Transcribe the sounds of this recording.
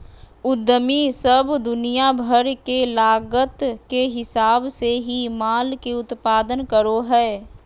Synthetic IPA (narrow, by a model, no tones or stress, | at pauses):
ʊd̪ːəmisəbd̪ʊnijabʱəɾkelaːɡət̪keɦɪsaːbseɦimaːlkeʊt̪paːd̪ənkəɾoɦɛː